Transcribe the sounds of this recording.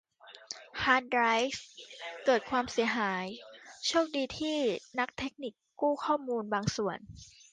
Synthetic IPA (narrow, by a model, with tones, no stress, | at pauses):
haː˦˥nɾa˦˥jskɤː˨˩t̪̚kʰwaː˧msi˨˩˦əɦaː˩˦jt͡ɕʰuoː˥˩k̚diː˧t̪ʰiː˥˩na˦˥k̚t̪ʰe˦˥k̚ni˨˩kːuː˥˩kʰɔː˥˩muː˧nbaː˧ŋsu˨˩ən